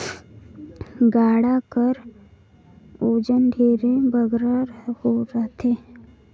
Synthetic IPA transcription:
ɡaːɽakəɾ | oːd͡ʒənɖʱeːɾebəɡɾaɾhoɾɐɦt̪ʰeː

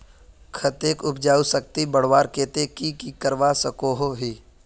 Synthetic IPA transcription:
kʰɐt̪eːkʊp̚d͡ʒaːusək̚t̪ibəɽ̤waːɾkeːt̪ekikikəɾʋasəkoːɦoɦiː

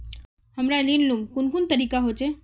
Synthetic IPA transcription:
ɦəmɾalinlumkunkunt̪əɾikaɦot͡ʃʰe

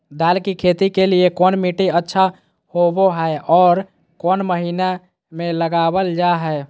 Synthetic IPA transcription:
d̪alkikʰet̪ikeliekɔnmiʈiətːʃʰa | hoboɦəɔːɾ | konməɦina | meləɡabəld͡ʒaɦɛe

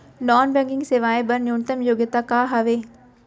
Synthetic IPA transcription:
nɔːnbẽːŋɡɪ̃ŋɡseʋaːebɐɾnjuːnt̪əmjoːɡjət̪akaːɦɐʋeː

